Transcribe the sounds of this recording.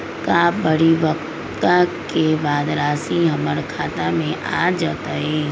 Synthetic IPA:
kaːbəɽiʋɐkt̪ | kakebaːd̪ɾaːsiɦɐməɾkʰaːt̪amẽʔa̰ːd͡ʒaːt̪aɦɛː

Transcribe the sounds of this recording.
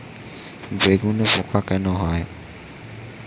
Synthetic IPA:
nd͡zekunɛfukʰʼwakɛnɔɦaːjɔ

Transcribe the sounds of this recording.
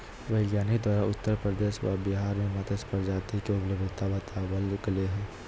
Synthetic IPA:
ʋɐɪɡjaːnid̪waːɾaʊt̪ːəɾpɾəd̪eːʃʋa̰bɪɦaːɾmẽmət̪əspəɾd͡ʒaːt̪ikeʊpləbd̪ʱɪt̪abət̪abəlɡəleɦɛː

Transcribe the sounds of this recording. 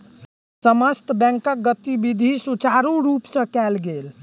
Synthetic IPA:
səməst̪bɛ̃ŋkək̚ɡət̪ibid̪ʱisut͡ʃaɾũɾupsə̃kɛlɡel

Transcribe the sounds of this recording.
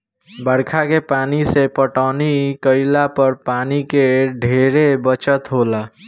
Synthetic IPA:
bəɽkʰakepaːnisepəʈaːnikəɪlapəɾpaːnikeɖʱeɾebət͡ʃət̪ɦola

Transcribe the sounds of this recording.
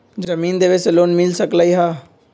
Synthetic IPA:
d͡ʒəmiːnd̪eːʋesloːnmɪlsəklaiɦaː

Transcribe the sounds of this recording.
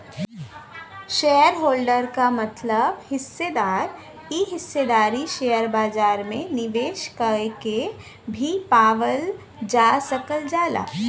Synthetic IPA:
ʃeːəɾɦoːlɖəɾkamɐt̪ləbhɪsːed̪aːɾ | iɦɪsːed̪aːɾiʃejəɾbaːd͡ʒaːɾmẽnɪʋeːʃkəke | bʱipaːʋəl | d͡ʒaːsəkəld͡ʒaːla̰ː

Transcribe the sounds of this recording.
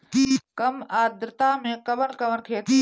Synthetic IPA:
kɐmaːd̪ɾɪt̪aːmẽkɐʋənkɐʋənkʰeːt̪

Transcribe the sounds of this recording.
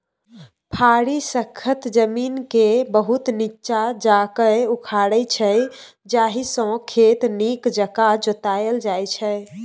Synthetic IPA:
pʰaɽisəkʰət̪d͡ʒəminkebəɦut̪nitːt͡ʃad͡ʒakəukʰaɽət͡ʃʰəj | d͡ʒaɦisə̃kʰet̪nikd͡ʒəkad͡ʒot̪ajəld͡ʒajt͡ʃʰɛ

